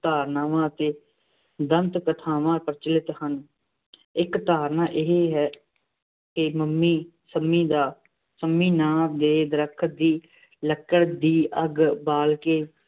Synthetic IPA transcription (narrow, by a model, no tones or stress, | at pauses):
t̪aːɾnaːʋãːt̪eː | d̪ənt̪kət̪ʰaːʋãːpəɾt͡ʃəlɪt̪hən | ɪkt̪aːɾnãːʔɪɦeːɦɛː | kɪməmːiːsəmːiːd̪aː | səmːiːnaːbd̪eːd̪əɾəkʰd̪iː | ləkːəɽd̪iːʔəɡbaːlkeː